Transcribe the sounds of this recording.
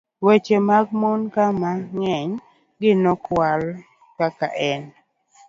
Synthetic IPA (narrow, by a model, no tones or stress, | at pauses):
wet͡ʃemaɡmonkamaŋɛɲ | ɡɪnɔkwal | kakaʔɛn